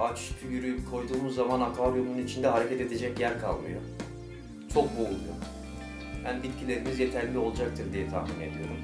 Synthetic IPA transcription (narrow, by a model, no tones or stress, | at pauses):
at͡ʃʃcʰyjyɾyjykʰo̞jd̪uːmuzːamanak̪abjo̞nununit͡ʃʰind̪ɛɦaɾe̞cʰɛt̪e̞d̪e̞d͡ʒɛcjæɾkʰalˠmɯ̰jo̰ | t͡ʃʰo̞k̚boulˠujo̰ | bænbit̪̚cʰilʲe̞ɾimizje̞t̪ʰæɾlʲio̞lˠd͡ʒak̚t̪ʰɯɾd̪ijɛt̪ʰa̰hmine̞d̪ijo̞ɾṵm